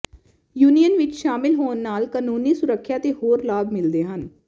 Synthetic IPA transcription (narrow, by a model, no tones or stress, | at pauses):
juːnijənʋɪt͡ʃʃaːmɪlɦoːnːaːlkaːnuːniːsʊɾəkʰːjaːt̪eːhoːɾlaːbmɪld̪eːɦən